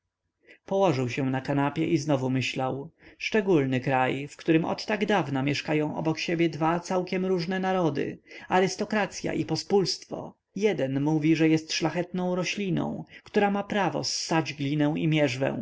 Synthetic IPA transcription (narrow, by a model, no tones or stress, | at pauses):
pɔwɔʐɘwɕɛ̃nakanapʲjɛʔiznɔvumɘɕlawʂt͡ʂɛɡulnɘkɾajfkt̪uɾɘmɔ̰t̪ːaɡd̪avnamʲjɛʂkajɔ̃w̃ʔɔ̰bɔkɕebʲjɛd̪vat̪sawkʲɛmɾuʐnɛnaɾɔd̪ɘ̰aɾɘst̪ɔkɾat̪sʲja̰ʔipɔspulst̪fɔ̰ | jɛd̪ɛnmuvʲiʐɛjɛst̪ʂlaxɛt̪nɔ̃w̃ɾɔɕlʲinɔ̰̃w̃kt̪uɾamapɾavɔ̰sːad͡ʑɡlʲinɛw̃imʲjɛʐvɛ̰̃w̃